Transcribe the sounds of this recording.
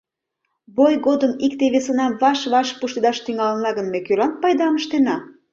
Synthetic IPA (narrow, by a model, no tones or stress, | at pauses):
βojɣod̪əmikt̪eβesənɑmβɑʃβɑʃpuʃt̪ed̪ɑʃt̪yŋɑlənɑɣənmekølɑnt̪̚pɑjd̪ɑməʃt̪enɑ